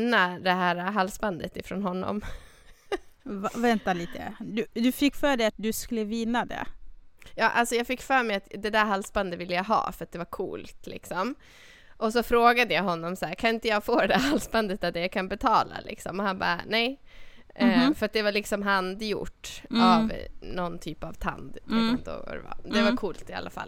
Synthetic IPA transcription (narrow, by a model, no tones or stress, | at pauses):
ad̪ɛɦæːɾaɦalsband̪ət̪ɪfɾoːnɦɔnːɔ̰m | vɛnt̪aliːt̪ə̰d̪ɵd̪ɵfɪkːfœːɖɛjat̪̚d̪ɵskɵlːəvɪnːad̪ɛ̰jɑːʔalsɔjɑːɡfɪkːfœːɾmɛjat̪d̪ɛd̪æɾɦalsband̪əvɪlːəjaɦɑ̰ːfœɾat̪̚d̪ɛvaɾkʰṵːlt̪lɪ̰ksɔm | ʔɔs̬ɔfɾoːɡad̪əjaɦɔnːɔmsæːɾkʰanɪnt̪əjɑːɡfoːɾɛd̪æɾɦalspand̪ət̪ald̪ɛjaːkʰanbɛt̪ʰɑːla̰lʔɪ̰ksɔmɔhanbɑ̰ːnɛj | fœɾat̪̚d̪ɛvalɪksɔmɦand̪jʊ̰ʈːavnɔnt̪ʰyːpavt̪ʰa̰nd̪ʰuɛnt̪o̰ːa̰dɛ̰va̰d̪ɛvakʰuːlt̪ɪa̰lːa̰fa̰lː